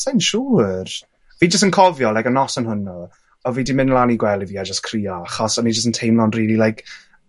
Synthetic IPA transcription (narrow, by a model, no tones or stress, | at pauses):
sajnʃuːr | viːd͡ʒəstənkʰɔvjɔlajkənɔsənɦʊnɔ | ɔviːdimɪnlˠaniɡwɛlˠiviːad͡ʒəskʰriːaχɔsɔnid͡ʒəstəntʰejmlˠɔnriːlilajk